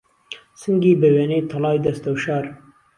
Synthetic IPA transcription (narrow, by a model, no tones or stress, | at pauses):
sɨŋɡibeweːneːt̪ʰɐlɑːjd̪ɐst̪ɐwʃɑːɾ